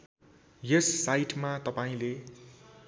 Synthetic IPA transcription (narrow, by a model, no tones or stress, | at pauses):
jʌsːajʈmat̪ʌpaĩle